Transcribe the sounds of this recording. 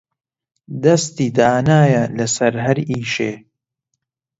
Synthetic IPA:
d̪ɐst̪iːd̪aːnaːjɐlɐsɐɾɦɐɾiːʃeː

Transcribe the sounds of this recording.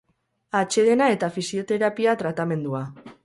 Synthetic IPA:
at͡ʃe̞ðe̞nae̞t̪afisio̞t̪e̞ɾapiat̪ɾat̪ame̞nd̪ua

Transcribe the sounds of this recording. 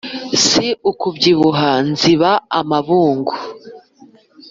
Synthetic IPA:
siukubɟiβuɦanziβaa̰maβuːŋɡu

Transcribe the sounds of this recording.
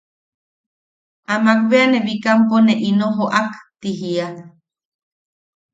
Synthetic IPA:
amakβeaneβikamponeʔinoɦoʔakt̪iɦia

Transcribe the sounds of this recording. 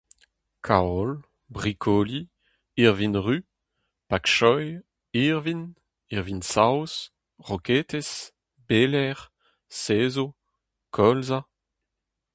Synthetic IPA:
kʰaɔl | bʁikʰɔːli | iʁvinʁy | pakʃɔj | iʁvin | iʁvinsaws | ʁɔket̪es | beːlɛʁ | seːzo | kʰɔlza

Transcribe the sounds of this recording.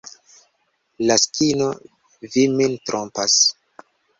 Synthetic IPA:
laskʰino | vimintɾʔompas

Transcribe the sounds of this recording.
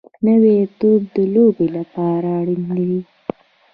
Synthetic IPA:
nəwet̪ob̚d̪əlobelapɑɾaːɽinlawi

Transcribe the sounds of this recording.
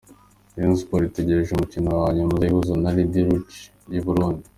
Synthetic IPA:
jinzpoɾite̞ɟe̞ɾe̞ʒumucinowaɲemuzaihuzanalidiɾut͡ʃ | jiβuɾuːndi̥

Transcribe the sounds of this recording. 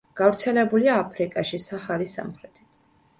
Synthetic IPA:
ɡ̥avɾt̪sʰɛlɛbuliaːpʰɾikʼaʃisaχalisa̰mχɾɛt̪ʰi̥t̪ʰ

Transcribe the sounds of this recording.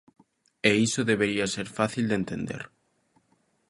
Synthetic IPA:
eisoðeβeɾiaseɾfaθild̪ent̪end̪ḛɾ

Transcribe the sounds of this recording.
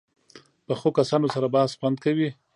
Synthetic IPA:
pəxokasɑnosaɾabɑhsxwand̪̚kawi

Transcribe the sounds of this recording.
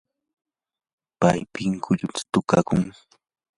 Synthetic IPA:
pajpɪŋkʰʊʎʊt̪ḁt̪ʊkakʊŋ

